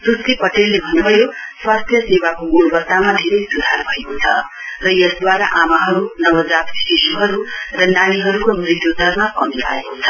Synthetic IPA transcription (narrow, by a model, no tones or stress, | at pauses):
prust̪ipʌʈelːebʱʌnubʱʌjoswast̪ʰjʌsewakomurbʌt̪ːamad̪ʱeɾʌjsud̪ʱarbʱʌekot͡sʰʌ̰ | rʌjʌsd̪waɾa̰ʔamaɦʌɾunʌbʌd͡zat̪sisuɦʌɾurʌnañiɦʌɾukomrit̪jod͡z̪ʱʌrmakʌmipʰa̰ekot͡sʰʌ